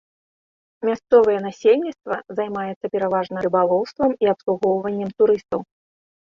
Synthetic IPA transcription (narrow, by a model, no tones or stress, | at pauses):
mʲast̪sɔvɐjɛnasʲelʲnʲit̪st̪vɐzajmajɛt̪sːɐpʲɛɾavaʐnɐɾɨbalˠɔwst̪vɐmiapslˠuɣɔwvɐnʲːɛmt̪uɾɨst̪ɐw